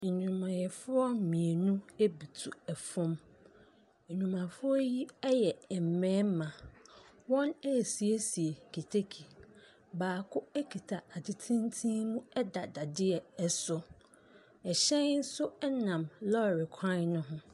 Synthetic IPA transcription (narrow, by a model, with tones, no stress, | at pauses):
n̩˨ɲũ˨mã˨jɛ˨fʊ˦ɔ˦mĩ˨e˨nũ˦e˦bi˨tʰu˨ɛ˨fɔ̃˦m | n̩˨ɲũ˨mã˨fʊ˦ɔ˦ji˦ɛ˦jɛ˨m̩˨mɛ̃ː˦m˦mã˨ | wɔ̃˦nɛ˦˨si˨e˦si˨e˨kʰi˨tʰe˦kʰi˨ | baː˨kʰʊ˦ɛ˦kʰi˨tʰa˨a˨dɪ˨tʰĩ˦n˦tʰĩ˦mũ˦ɛ˦da˨da˨dɪ˦ɛ˨ɛ˦sʊ˨ | ɛ˨ɕɛ̃˦n˦n̩˦sʊ˦ɛ˦nã˨mlɔ˦˨ɾɪ˨kʷʰã˦nʊ̃˦ɦʊ̃˦